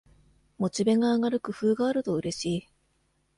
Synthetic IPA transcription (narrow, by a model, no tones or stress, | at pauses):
mo̞t͡ɕibe̞ŋaːŋaɾɯ̟kɯ̟ɸɯːɡaːɾɯ̟t̪o̞ɯ̟ɾe̞ɕiː